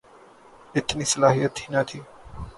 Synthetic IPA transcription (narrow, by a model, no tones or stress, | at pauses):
ɪt̪niːsəlaːɦɪjːət̪hinat̪ʰiː